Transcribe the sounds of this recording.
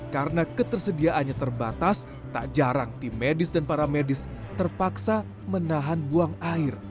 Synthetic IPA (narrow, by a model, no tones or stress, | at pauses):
kaɾənakət̪ərsədiaʔanɲat̪ərbat̪as | t̪a̰ʔd͡ʒaɾaŋt̪imedɪsdanpaɾamedɪst̪ərpaksa | mənaɦanbuaŋaɪr